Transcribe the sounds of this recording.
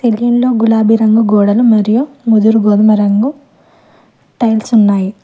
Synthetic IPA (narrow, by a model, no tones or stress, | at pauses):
t̪eljɐnlo̞ːɡulaːbiɾɐŋɡuɡɔːɽɐlumɐɾijumud̪uɾuɡod̪umɐɾɐŋɡu | ʈɐjlsunːaːji